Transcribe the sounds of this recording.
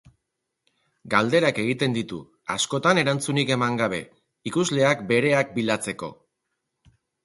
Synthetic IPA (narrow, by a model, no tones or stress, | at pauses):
ɡald̪e̞ɾake̞ɣit̪e̞nd̪it̪ṵ | asko̞t̪ane̞ɾant͡sunike̞maŋɡaβ̞e̞̰ | ikuzle̞akbe̞ɾe̞ak̚bilat͡se̞ko̞̰